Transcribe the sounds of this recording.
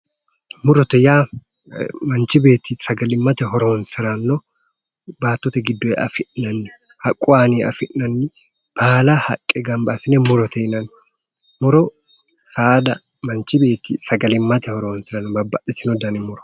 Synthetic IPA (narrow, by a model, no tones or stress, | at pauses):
mʊɾɔt̪ɛjaː | mɐnt͡ʃɪbe̞ːt̪ːisɐɡɐlɪmːɐt̪ɛɦɔɾoːnsɪɾɐnːɔ | baːt̪ːɔt̪ɛɡɪd̪ːɔɛʔɐfɪʔnɐnːɪ | hɐkʼːʊaːniɐfɪʔnɐnːɪ | b̥aːlɐhɐkʼːɛɡɐmbɐsɪnɛmʊɾɔt̪ɛɪnɐn | mʊɾɔ | saːd̪ɐ | mɐnt͡ʃɪbe̞ːt̪ːḭsɐɡɐlɪmːɐt̪ɛhɔɾoːnsɪɾɐnːɔbɐbːɐʔɪsɪnɔd̪ɐnɛmʊɾɔ̥